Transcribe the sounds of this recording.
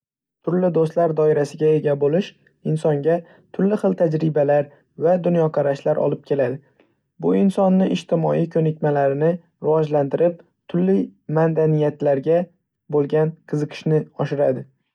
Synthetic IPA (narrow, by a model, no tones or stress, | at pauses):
t̪ʰʊɾlɪd̪ost̪laɾd̪ɒɪɾasɪɡʲae̞ɡʲabolɪʃ | ɪnsɒŋɡʲa | t̪ʰʊɾlɪχɨlˠt̪ʰad͡ʒɾɪbalaɾ | vad̪ʊnjɒqʰɑɾaʃlaɾʔɒ̰lˠɪp̚kʲʰe̞lad̪ɪ | bʊɪnsɒnːɪʔɪʃt̪ʰɪmɒikʲʰɵnɪkʲmalaɾɪnɪ | ɾɪvɒd͡ʒlant̪ɪɾɪp̚ | t̪ʰʊlːimand̪anijat̪laɾɡʲa | bolˠɡʲanqʰɨzɨqʰɨ̥ʃnɪɒʃɪɾad̪ɪ